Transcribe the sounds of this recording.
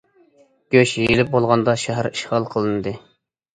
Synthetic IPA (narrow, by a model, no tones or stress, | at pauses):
ɡ̥ʲøʃjelɪp̚bolˠʁɑnd̪ɑʃæɦæɾiʃʁɑlˠqʰəlˠɨnɨd̪ɨ